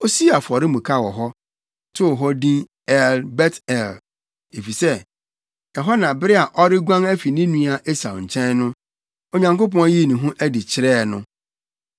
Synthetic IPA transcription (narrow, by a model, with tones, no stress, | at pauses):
o˦si˦a˨fɔ˨ɾɪ˦mũ˨kʰa˦wɔ˨ɦɔ˦ | tʰʊ˦ɔ˨ɦɔ˦dĩ˦ | ɛ˦lbɛ˦tɛ˨l | e˨fi˨sɛ˦ | ɛ˨ɦa˦nã˨bɪ˦ɾɪ˦a˨ʔɔ˦ɾɪ˦ɡʷã˦ŋæ˦fi˨nĩ˦nũ˦a˨ʔe˦sa̰˨ɲ̩˨t͡ɕʰɛ̃˦nnʊ̃˦ | o˨ɲã˨ŋko˦pɔ̃˦n˦ji˦˨nũ˨ɦũ˦ʔæ˦dɪ˨t͡ɕʰɪ˨ɾɛː˦˨nʊ̃˦